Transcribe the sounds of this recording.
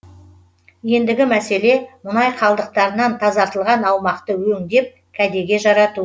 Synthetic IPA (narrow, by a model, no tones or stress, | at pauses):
je̞nd̪ɪɡʲɪmæse̞le̞mʊnɑjqʰɑlˠd̪əq̚t̪ɑɾənɑnt̪ʰɑzɑɾt̪əlˠʁɑnɑwmɑqt̪əwɵŋd̪e̞p̚ | kʲʰæd̪e̞ɡʲe̞ʒɑɾɑt̪u